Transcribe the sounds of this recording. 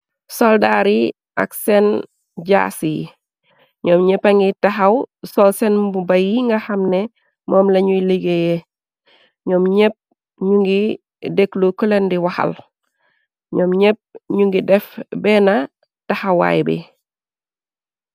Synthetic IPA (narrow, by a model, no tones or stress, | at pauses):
soldaɾi | a̰ksɛn | ɟa̰si | ɲɔːmɲepaŋɡitaɦawsɔlsenbubajiŋɡɐhɐmnɛ | mɔːmlɐɲuliɡeje | ɲɔːmɲep̚ | ɲuŋɡi | deklukulendiwɐhɐ̰l | ɲɔːmɲep̚ɲuŋɡidɛfbɛna | tahɐwa̰jbḭ